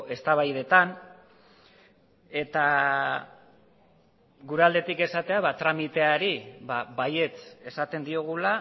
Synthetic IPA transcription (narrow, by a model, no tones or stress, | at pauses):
e̞st̪aβajð̞e̞t̪an | e̞t̪a | ɣuɾeald̪e̞t̪ike̞sat̪e̞aβat̪ɾamit̪e̞aeɾiβaβaje̞t͡se̞sat̪e̞nd̪io̞ɣ̞ula